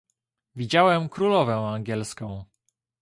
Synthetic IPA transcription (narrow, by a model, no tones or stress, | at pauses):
vʲid͡ʑawɛmkɾulɔvɛaŋɡʲɛlskɔ̃w̃